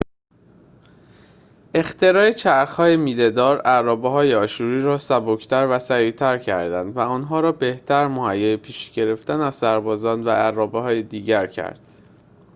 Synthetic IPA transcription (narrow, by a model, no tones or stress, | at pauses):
e̞xt̪e̞ɾɒːjet͡ʃʰæɾxhɒːjemiːle̞d̪ɒːɾærɒːbeɦɒːjeɒːʃuːɾiːɾɒːsæbocʰt̪ʰæɾvæsæɾiːt̪ʰæɾcʰæ̰ɾd̪ænd̪væɒːnɦɒːɾɒːbe̞ht̪ʰæɾmohæjːɒːjepʰiːʃɟ̥e̞ɾe̞ft̪ænæzsæɾbɒːzɒːnd̪vææɾːɒːbeɦɒːjed̪iːɟæɾcʰæ̰ɾd̪̥